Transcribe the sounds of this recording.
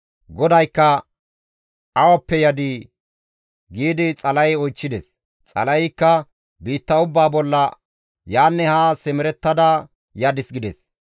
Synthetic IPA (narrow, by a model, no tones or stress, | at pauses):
ɡɔd̪ɐjkːɐ | ʔɐwɐpːɛjɐd̪i | ɡiːd̪ɪt͡sʼɐlɐjɔjt͡ʃːɪd̪ɛs | t͡sʼɐ̰lɐjkːɐ | biːt̪ːɐʊbːaːbɔlːɐ | jaːnːɛhasɛmɪɾɛt̪ːɐd̪ɐ | jɐd̪ɪsɡɪd̪ɛs